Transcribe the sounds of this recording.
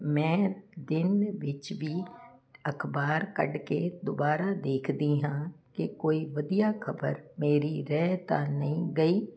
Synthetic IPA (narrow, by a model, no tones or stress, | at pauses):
mɛ̃ːd̪ɪnʋɪt͡ʃʋʱi | ɐkʰbaːɾkə̰ɽked̪obaːɾad̪eːkʰd̪iɦãːkekoːiʋɐd̪ijaxɐbə̰ɾmeːɾiɾɛːt̪a̰nɐɦĩɡɐiː